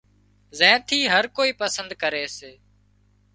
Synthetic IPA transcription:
zɛ̃ːt̪ʰiːɦəɾkoːiːpəsənd̪kəɾeːseː

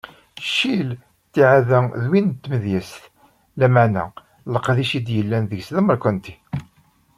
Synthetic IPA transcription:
ʃːil | t̪ːiʕaðæðwint̪ːməðjæsθ | læmanæ̰ | ləqːðiʃid̪jəlːænðəʝslæməɾkʷənt̪i̥

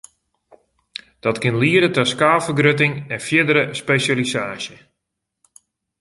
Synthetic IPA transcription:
d̥ɔtkɪnliəɾətɔskaːfərɡrøtɪŋɛnfjɪdəɾəspejsalisaːsjə

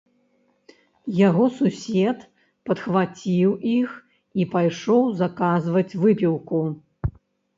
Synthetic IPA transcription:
jaɣɔsusʲɛt̪ | pɐt̪xvat͡sʲiwix | ipajʂɔwzɐkazvɐt͡sʲvɨpʲiwku

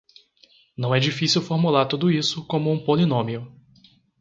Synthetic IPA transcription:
nɐ̃w̃ɛd͡ʒifisiwfoɾmulaɾt̪ud̪ʊisʊkõmʊũpolinõmiʊ

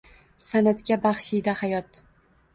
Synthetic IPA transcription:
sanat̪kʲabaχʃid̪ahajɒt̪

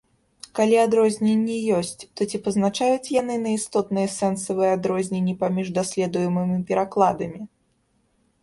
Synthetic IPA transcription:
kalʲiad̪ɾɔzʲnʲenʲːɛjɔsʲt͡sʲt̪ɔt͡sʲipɐznat͡ʂajut͡sʲjanɨnɐist̪ɔt̪̚nɨjɛsɛnsɐvɨjɛad̪ɾɔzʲnʲenʲːipamʲiʐd̪asʲlʲɛd̪ujɛmɨmʲipʲɛɾaklˠad̪ɐmʲi

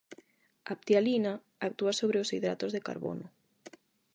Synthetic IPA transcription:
ap̚t̪jalina | ak̚t̪uasoβɾeosiðɾa̰t̪ozðeka̰ɾβo̰no

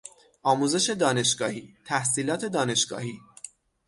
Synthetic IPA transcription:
ʔɒːmuze̞ʃe̞d̪ɒːne̞ʃɡɒːhiːt̪ʰæhsiːlɒːt̪ʰe̞d̪ɒːne̞ʃɡ̥ɒ̰ːhiː

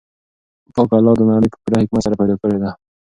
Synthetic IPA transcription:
pɑkɑlɑwd̪ənɑɽəjpə̥piɾahɪkmat̪saɾapajd̪ɑkəɽed̪a

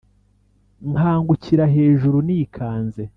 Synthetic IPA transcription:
ŋhaːŋɡuciɾaɦe̞ːʒuɾuniːkʰaːnze̞

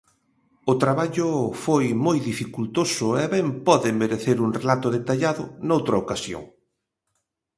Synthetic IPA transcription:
ʊt̪ɾaβaʎʊfojmojðifikult̪osʊɛβɛmpɔðɪmeɾeθeɾuŋrelat̪ʊðet̪aʎaðʊnowt̪ɾɐokasjo̰ŋ

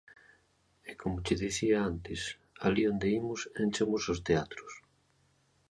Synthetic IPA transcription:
ekomʊt͡ʃɪðiθiaant̪ɪs | aliond̪eimʊsent͡ʃomʊsost̪eat̪ɾʊs

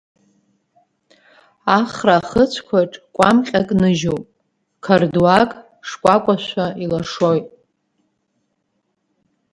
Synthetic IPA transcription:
aχraːχət͡ɕʷʰkʷʰaʈ͡ʂʼkʷʼamqʲʼakʼnɨʒopʼ | kʰarduakʼ | ʂkʷʼakʷʼaʃʷailaʂojtʼ

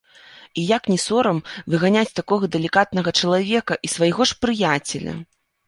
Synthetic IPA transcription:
ijaknʲɛsɔɾɐmvɨɣanʲat͡sʲt̪akɔɣɐd̪ɛlʲikat̪̚nɐɣɐt͡ʂɐlˠavʲɛkɐʔisvɐjɣɔʂpɾɨjat͡sʲɛlʲɐ̰

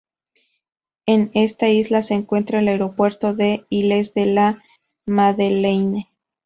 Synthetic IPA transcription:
e̞ne̞st̪aizlase̞ːŋkwe̞nt̪ɾaelaeɾo̞pwe̞ɾt̪o̞ðe̞ilezðe̞la | maðelejne

